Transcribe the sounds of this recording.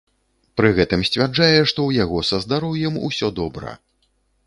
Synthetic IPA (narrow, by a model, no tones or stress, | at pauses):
pɾɨɣɛt̪ɨmsʲt͡sʲvʲard͡ʐajɛʂt̪ɔwjaɣɔsɐzd̪aɾɔwjɛmṵsʲɔd̪ɔbɾɐ̰